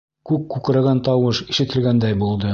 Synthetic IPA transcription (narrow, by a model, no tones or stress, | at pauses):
kʉkkːʉkɾæɡænt̪ɒwɤʃiʃɘ̆t̪ɘ̆lɡænd̪æjbulˠd̪ɤ